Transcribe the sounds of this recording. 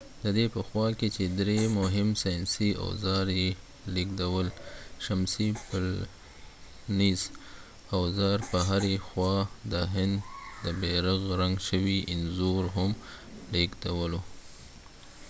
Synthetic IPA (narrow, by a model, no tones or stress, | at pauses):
d̪əd̪epəxwɑket͡ʃed̪ɾemʊɦɪmsɑjnsia̰wzɑɾje | liɡd̪awəlʃamsipəl | niz | awzɑɾpəɦaɾexwɑd̪əɦɪnd̪ːəbeɾaɣɾaŋɡʃəwiɪnzoɾɦʊm | leɡd̪awəlo